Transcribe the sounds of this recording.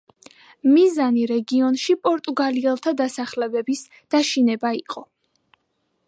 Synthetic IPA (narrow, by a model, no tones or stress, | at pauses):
mizaniɾɛɡiɔnʃipʼɔɾt̪ʼuɡaliɛlˠt̪ʰad̪asaχlɛbɛbis | d̪̥aʃinɛbaiqʼɔ